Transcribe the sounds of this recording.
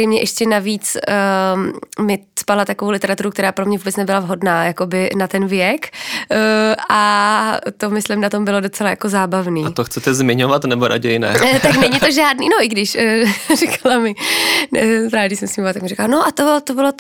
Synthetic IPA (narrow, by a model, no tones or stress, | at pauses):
ejmɲɛʔɛʃcɛnaviːt͡s | mɪspalat̪akovowlɪt̪ɛɾat̪uɾukt̪ɛɾaːpɾomɲɛvubɛt͡snɛbɪlavɦo̞dnaːjako̞bɪnat̪ɛnvjɛk | ʔa | t̪o̞mɪslɪmnat̪o̞mbɪlo̞dot͡sɛlajakozaːbavniːt̪oxt͡sɛt̪ɛzmɪɲovat̪nɛboɾa̰ɟɛjnɛ̰t̪aknɛɲɪt̪oʒaːdniːno̞ʔɪɡdɪʃrɛkʰalamɪ | ɾaːdɪsɛmsmiɲmat̪akmɪɾɪkalanoʔat̪ot̪obɪlo